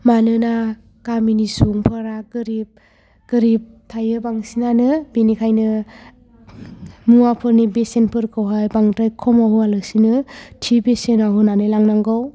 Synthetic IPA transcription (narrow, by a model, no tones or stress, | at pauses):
manɯna | kaminisuŋpʰɯɾaɡɯɾip̚ | ɡ̥ɯɾip̚tʰajɯbaŋsinanɯbenikʰajnɯ | muapʰɯɾnibesenpʰɯɾkʰɯwɦajbaŋtajkʰɔmaɦualɯsinɯtʰibesenaɦɯnanɯlaŋnaŋɡaw